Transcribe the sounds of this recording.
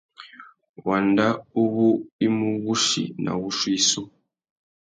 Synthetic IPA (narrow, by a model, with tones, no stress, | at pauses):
wa˨nda˦u˦βu˦i˦mu˦βu˦ʃḭ˨na̰˨βu˦ʃwi˦so˦